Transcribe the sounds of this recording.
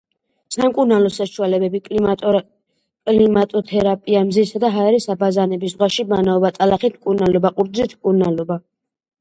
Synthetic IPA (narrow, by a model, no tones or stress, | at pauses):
samkʼuɾnalɔsaʃualɛbɛbi | kʼlimat̪ʼɔt̪ʰɛɾapʼiamzisad̪aɦaɛɾisabazanɛbiszʁwaʃimanaɔbat̪ʼalaχit̪̚ʰmkʼuɾnalɔbaqʼuɾd̪zlit̪ʰmkʼuɾnalɔba